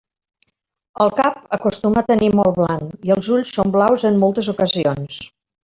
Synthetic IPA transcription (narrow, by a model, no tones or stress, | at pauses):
əlˠkap̚əkust̪umət̪ənimɔlˠβlaniəlˠzuʎsːomblawzəmːɔlˠt̪əzukəzions